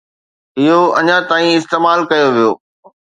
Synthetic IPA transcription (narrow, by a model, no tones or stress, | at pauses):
ɪɦoɐɲãt̪aːĩɪst̪eːmaːlkɐjoʋijo̰ː